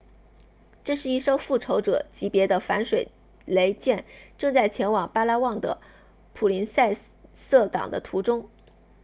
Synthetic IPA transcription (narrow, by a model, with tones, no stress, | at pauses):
ʈ͡ʂɤ˥˧ʂɻ̩˥˧i˥˩ʂo˥ʊfu˥˩ʈ͡ʂʰo˧˥ʊʈ͡ʂɤ̰˨˩t͡ɕi˧˥pjɛ˧˥d̪ə˧fa˧˥nʂwe˨˩ɪ | le˧˥ɪt͡ɕjɛ˥˩nʈ͡ʂɤ˥˧ŋt͡sa˥˩ɪt͡ɕʰjɛ˧˥nwɑ˨˩ŋpa˥la˥wɑ˥˩ŋd̪ə̰˩ | pʰu˨˩li˧˥nsa˥˧ɪ | sɤ˥˩kɑ̰˨˩ŋd̪ə̰˦t̪ʰu˧˥ʈ͡ʂʊ˥ŋ